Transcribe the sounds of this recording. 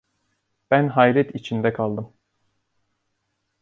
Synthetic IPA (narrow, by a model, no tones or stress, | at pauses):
b̥ænɦajlɛt̪ʰit͡ʃʰind̪ɛkʰalˠd̪ɯm